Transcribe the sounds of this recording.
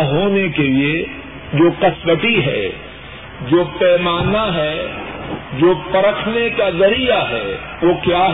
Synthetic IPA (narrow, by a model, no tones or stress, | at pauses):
ɦoːnekelie | d͡ʒoːkɐsʋəʈiɦɛ̰ | d͡ʒoːpɛːmaːnaɦɛ | d͡ʒoːpɐɾəkʰnekazɐɾijaɦɛː | ʋokjaːɦ